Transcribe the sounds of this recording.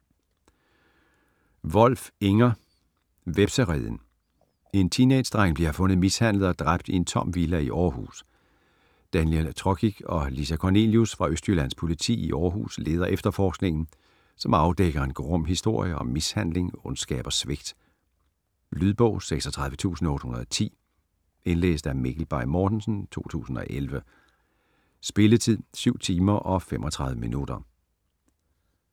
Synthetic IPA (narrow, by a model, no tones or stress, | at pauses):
ʋɒ̽l̰feŋɐ | ʋeb̥səʁḭðˠn̩ | e̝nt͡sʰined̥sd̥ʁɑŋ̰b̥liɐhfɔ̽nəð̩ˠmishæn̰ləð̩ˠɒ̽d̥ʁab̥̚d̥ie̝nt͡sʰɒ̽m̰ʋilæiʔɒːɦṵːs | d̥ænjelt͡sʰʁɒɡ̥ʰiɡ̥ɒ̽lisækʰɒne̝ljusfʁɑ̈øsd̥ylæn̰spʰo̝lit͡sʰḭːiʔɒːɦṵːsle̝ːð̞ˠɐʔefd̥ɐfɒːsɡ̥ne̝ŋn̩ | sɒ̽mɑ̈ʊd̥eɡ̥ɐenɡ̥oʁɔm̰ɦisd̥o̝ɐ̰jəɒ̽mːishæn̰le̝ŋɔ̽nsɡ̥ɛ̰ːb̥ɐsʋeɡ̥d̥ | lyðˠb̥ɔ̽ʊ̰seɡ̥sɒt͡sʰʁɑ̈ðʋət͡sʰṵːsn̩ɒɔ̽ːd̥hunɐðˠɒt͡sʰḭː | e̝nlḛːsd̥æmeɡ̥l̩b̥ɑ̈ɪmɒːd̥n̩sn̩t͡sʰo̝̰ːt͡sʰṵːsn̩ɒ̽ʔelʋə | sb̥e̝lət͡sʰið̰ˠsyʊ̰t͡sʰiːmɐʔɒ̽femʔɒ̽t͡sʰʁɑ̈ðʋəminud̥ɐ